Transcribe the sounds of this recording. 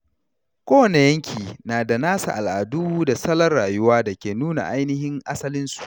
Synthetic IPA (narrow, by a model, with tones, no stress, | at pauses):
kʷoː˦wɐ˨ne˨jɐ˦ŋkʲʰiː˨naː˨da˨naː˦sa̰˨ʔa˨lʔa˨duː˦da˨sɐ˦lɐ˦rɽaː˨jʊ˦waː˦da˨kʲeː˨nuː˦na̰˨ʔa˦jnɪ˦ɦɪ˦ŋʔa˦sɐ˦lɪ˦nsu̥˨ʔ